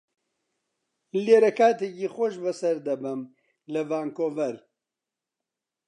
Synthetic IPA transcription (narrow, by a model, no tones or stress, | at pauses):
leːɾɐkaːt̪ekixʷoʃbɐsɐɾd̪ɐbɨm | lɐvaːŋkovɐɾ